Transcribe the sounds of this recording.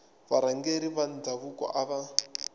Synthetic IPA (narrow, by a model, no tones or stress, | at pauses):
βaɾaŋɡeɾiβand͡zaβukʼɔ̰ʔaβa